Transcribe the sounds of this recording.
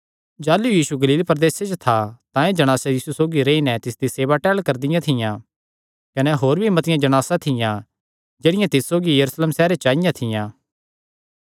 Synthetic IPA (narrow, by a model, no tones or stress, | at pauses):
d͡ʒaːlujiːsuɡɐliːlpɐɾd̪eːset͡ʃot̪ʰat̪ãẽd͡ʒɐɽ̃aːsajiːsusoːɡiɾeinɛt̪ɪsd̪iseːʋaʈɛːɭkɐɾd̪ɪjãt̪ʰɪjã | kɐnɛɦoːɾbʱimɐt̪ɪjãd͡ʒɐɽ̃aːsat̪ʰɪjã | d͡ʒeːɽɪjãt̪ɪsːoːɡijɐɾusleːmsɛːɾet͡ʃaːɪjãt̪ʰɪjãː